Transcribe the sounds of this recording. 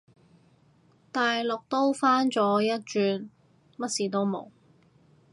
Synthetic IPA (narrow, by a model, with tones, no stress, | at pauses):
t̪aː˨jlʊ˨k̚t̪o˥wfaː˥nt͡ʃɔː˨˥jɐ˥t̚t͡ʃyː˧n | mɐ˥t̚siː˨t̪o˥wmo̰˨˩w